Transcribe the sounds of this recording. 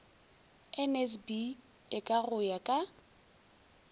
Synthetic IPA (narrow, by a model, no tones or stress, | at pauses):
ɛnɛsbi | ɪkʼaɣʊjakʼa